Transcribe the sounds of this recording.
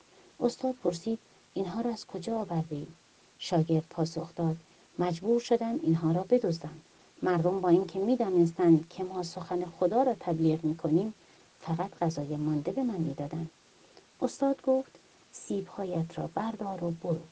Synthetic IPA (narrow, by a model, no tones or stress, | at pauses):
ʔost̪ɒːd̪̥̚pʰo̞ɾsiːd̪̥ | inɦɒːɾɒːæz̥kʰo̞d͡ʒɒːvæɾd̪eiːd | ʃɒːɡe̞ɾd̪̥̚pʰɒːso̞xd̪̥ɒːd̪̥ | mæd͡ʒbuːɾʃo̞d̪ænd̪inɦɒːɾɒːbe̞d̪ozd̪ænd̪ | mæɾd̪o̞mbɒːinkʰe̞miːd̪ɒːnes̬t̪ænd̪kʰe̞mɒːso̞xænexod̪ɒːɾɒːt̪ʰæbliːʁmiːkʰo̞niːm | fæɣæt̪ɢæzɒːjemɒːnd̪e̞be̞mænmiːd̪ɒːd̪ænd̪̥ | ost̪ɒːd̪ɡoft̪ | siːbhɒːjæt̪ʰɾɒ̰ːbæɾd̪ɒːɾoboɾuː